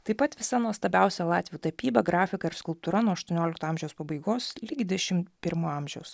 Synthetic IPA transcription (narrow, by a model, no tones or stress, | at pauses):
t̪ɐɪpɐt̪ʋʲɪsɐnuɔst̪ɐbʲæˑʊsʲɛlˠɑːt̪ʲʋʲjuːt̪ɐpʲiːbɐɡɾɑːfʲɪkɐɪɾskʊlˠp̚t̪uːɾɐnuɔɐʃt̪uɔnʲoːlʲɪkt̪oːɑˑmʒʲɛjoʊspɐbɐɪɡoːslʲiːɡʲɪd̪ʲɛʃʲɪmpʲɪɾmuɑˑmʲʒʲɛʊs